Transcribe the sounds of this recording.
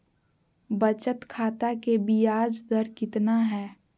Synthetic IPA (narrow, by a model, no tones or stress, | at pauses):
bət͡ʃət̪kʰaːt̪akebiaːd͡ʒd̪əɾkɪt̪naɦɛː